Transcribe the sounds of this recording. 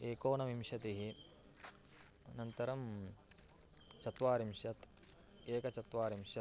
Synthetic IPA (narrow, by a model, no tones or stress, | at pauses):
eːkoːnɐʋimʂjɐt̪iɦi | nɐnt̪ɐɾɐm | t͡ʃɐt̪ʋaːɾimʃjɐt̪ | eːkɐt͡ʃɐt̪ʋaːɾimʃjɐ